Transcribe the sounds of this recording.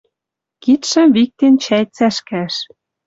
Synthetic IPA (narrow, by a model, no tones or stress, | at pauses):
kit̪ʃə̆mβik̚t̪ent͡ɕæjt͡sæʃkæʃ